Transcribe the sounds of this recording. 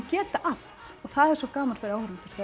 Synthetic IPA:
cɛːt̪aʔal̥t̪ɔɣθaðɛɾsɔkaːmaɾ̥fɪɾɪɾawhaɾɪnt̪ʏɾ̥θɛ

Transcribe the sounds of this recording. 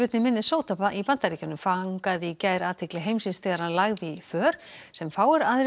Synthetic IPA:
ʏt̪nɪmɪnːɪsoːwt̪ʰapaʔipant̪aɾiːcanʏmfaŋkaðicaːjɾaːt̪ʰɪklɪɦejmsinst̪ʰɪɣaɾanlaɣðɪifœːɾ̥sɛmfaːwɪɾaðɾ

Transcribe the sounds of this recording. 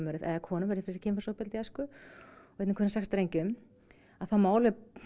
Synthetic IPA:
mœɾɪðɛ̰ðakʰɔːnʏmvɛɾɪɾfɪɾɪ̥ɾ̥cʰɪːmfḁsopɪlt̪ɪaskʏɔveːt̪nɪkʰɛnsɛxst̪ɾejɲcʏm | aθawmaːwlɪ

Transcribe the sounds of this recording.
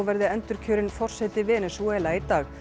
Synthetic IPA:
vɛɾðɪɛnt̪ʏɾ̥cʰœːɾɪnfɔr̥sɛt̪ɪvɛːnɛsuɛlait̪aːɣ

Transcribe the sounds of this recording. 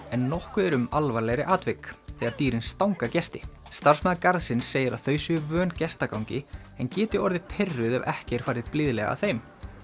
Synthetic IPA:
ɛnːɔhkʏɛɾʏmalvaɾlɛɣɾɪʔaːt̪vɪkθɛɣaɾt̪iːɾɪnst̪awŋkacɛst̪ɪ | st̪ar̥smɛðakaɾðsɪnsːeːjɪɾa̰ðθœːɥsʏvœːncɛst̪akawcɪ | ɛncɛːt̪ɪɔɾðɪpʰɪrːʏðœ̰vɛ̰hcɛɾ̥faːjɾɪðplɪðlɛɣa̰θejm

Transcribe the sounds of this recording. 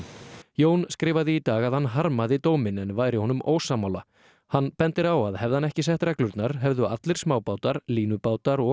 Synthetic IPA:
joːwnskɾɪːvaðɪːt̪aːɣaðhanɦaɾmaðɪt̪oːwmɪnɛnvaːjɾɪhɔːnʏmʔo̰ːwsaːmawla̰ | hanːpɛnt̪ɪɾawaðhɛvðhanɛhcɪs̬ɛht̪ɾɛklʏɾt̪naɾ̥ɦɛvðʏat̪lɪɾ̥smaːwpaːwt̪aɾliːnʏpaːwt̪aɾɔ

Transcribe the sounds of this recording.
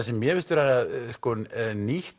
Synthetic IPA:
asɛmːjɛvɪst̪ʏɾaɣaðskɔnniht̪

